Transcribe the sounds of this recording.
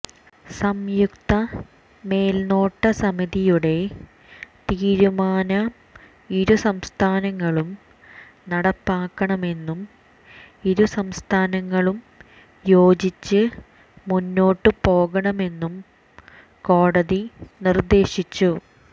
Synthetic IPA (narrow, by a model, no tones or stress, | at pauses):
sɐmjukt̪ɐ | me̞ːlno̞ːʈːɐsɐmiðijuɽe̞ | t̪iːɾumaːnɐ | iɾusɐmst̪ʰaːnɐŋːɐɭum | nɐɽɐpːaːkːɐɳɐme̞nːum | iɾusɐmst̪ʰaːnɐŋːɐɭum | jo̞ːd͡ʑit͡ɕːɨ | munːo̞ːʈːɨpo̞ːɣɐɳɐme̞nːum | ko̞ːɽɐðinird̪e̞ːɕit͡ɕːu